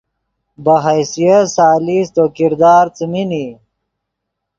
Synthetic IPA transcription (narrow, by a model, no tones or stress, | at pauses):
bɐɦajsijasaːlist̪okiɾd̪aːɾt͡simini